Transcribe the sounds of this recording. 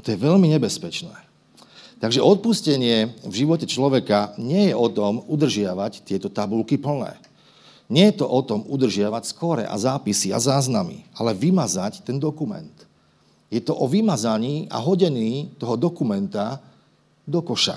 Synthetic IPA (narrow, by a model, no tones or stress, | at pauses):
t̪ɔjɛʋɛʎmiɲɛbɛspɛt͡ʃnɛ̰ː | t̪aɡʒɛʔɔt̪̚puscɛɲɪɛvʒiʋɔcɛt͡ʃlɔʋɛkaɲɪɛjɛɔt̪ɔmud̪r̩ʒɪaʋact̪ɪɛt̪ɔt̪abulkipl̩nɛ̰ː | ɲɪɛjɛt̪ɔʔɔt̪ɔmud̪r̩ʒɪaʋacskɔɾɛ̰ʔa̰zaːpisia̰zaːznamḭalɛʋimazact̪ɛnd̪ɔkumɛ̰nt̪ | jɛt̪ɔʔɔʋimazaɲiːʔa̰ɦɔɟɛɲiːt̪ɔɦɔd̪ɔkumɛnt̪a | d̪ɔkɔʃa̰